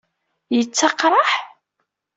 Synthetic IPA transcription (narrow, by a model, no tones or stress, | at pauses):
jət͡sːɑqɾˤɑħ